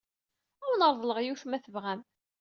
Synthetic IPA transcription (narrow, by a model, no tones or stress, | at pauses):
ʊɾnəɾˤðˤləʁjuθmæθəvʁæm